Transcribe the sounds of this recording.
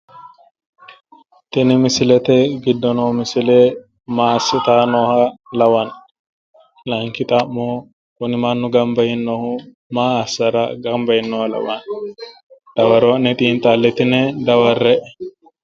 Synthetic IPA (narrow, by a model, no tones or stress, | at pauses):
t̪ɪnɛmɪsɪlɛt̪ɛɡɪd̪ːɔnoːmɪsɪleː | maːsːɪt̪aːnɔːhɐlɐwɐn | lɐŋkɪt̪ʼɐmːo | wʊnɪmanːʊɡɐmbɐjɪnːohʊ | maːɐsɐɾɐɡɐmbɐjɪnːoːhɐlɐ̰wɐn | d̪̥ɐwɐɾonɛt̪ʼiːnt̪ʼaːlːɛt̪ɪnɛd̪ɐwɐrːɛʔɛ